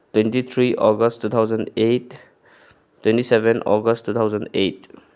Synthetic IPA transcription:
twẽntit̪ʰɾiʔɔɡəstːut̪ʰawzəndet | tːwẽntisebɛnɔ̰ɡəsttːut̪ʰawzəndet

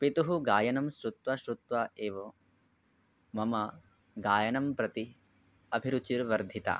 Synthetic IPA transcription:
pit̪uɦuɡaːjɐnɐmʃɾut̪ʋɐʃɾut̪ʋaʔeːʋo | mɐmɐ | ɡaːjɐnɐmpɾɐt̪i | ɐbʱiɾut͡ʃiɾʋɐɾd̪ʱit̪a̰

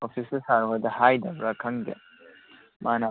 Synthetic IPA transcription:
opʰisɐsaɾɦɔjdɐhajdɐbɾakʰɐŋɡḛ | manɐ

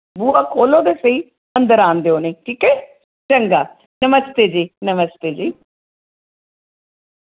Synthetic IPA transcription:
buːaːkoːlõd̪esəi | ə̃nd̪əɾãːnd̪eːoːneːʈʰiːkɛː | t͡ʃəŋɡaː | nəməst̪eːd͡ʒiːnəməst̪eːd͡ʒiː

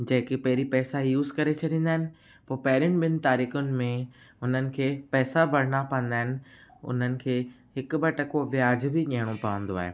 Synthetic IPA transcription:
d͡ʑɐ̃ɦɪ̃kepɐɦɪɾipɛːsajuːzkɐɾet͡ɕʰɐɗĩːn̆d̪aːɦɪnɪ̆ | poːpɐɦɪɾɪñ̆ɓɪnɪ̆t̪aːɾiːxʊnɪ̆mẽ | ʊn̤ənɪ̆kʰeːpɛːsabʱɐɾɽ̃apɐ̃ə̃n̆d̪aːɦɪnɪ̆ʊ̰n̤ənɪ̆kʰeː | ɦɪkʊbɐʈɐkoʋɪjaːd͡ʑbɪʄiəɽ̃opɐʋə̃nd̪oaːɦḛː

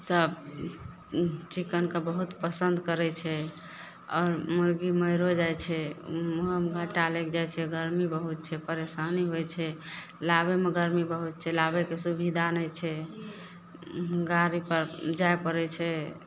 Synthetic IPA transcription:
səb | t͡ʃikənkabəɦut̪pəsənd̪kəɾɛt͡ʃʰɛ | ɔːɾmuɾɡiməɪɾod͡ʒajt͡ʃʰɛ | əmɡʱəʈalekd͡ʒajt͡ʃʰɛɡəɾmibəɦut̪̚t͡ʃʰɛpəɾesaniɦojt͡ʃʰɛ | labemeɡəɾmibəɦut̪̚t͡ʃʰɛlabekesubʱid̪anəjt͡ʃʰɛ | ɡaɾipəɾd͡ʒaepəɾɛt͡ʃʰɛ

